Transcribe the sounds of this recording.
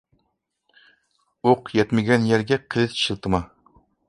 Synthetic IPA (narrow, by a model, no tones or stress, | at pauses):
oqjɛt̪mɪɡʲɛnjɛɾɡʲɛqʰəlɨt̪ʃɨlˠt̪ʰɨmɑ